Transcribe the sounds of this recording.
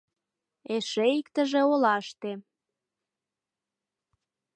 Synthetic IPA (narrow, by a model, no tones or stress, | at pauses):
eʃeikt̪ə̆ʒĕolɑʃt̪e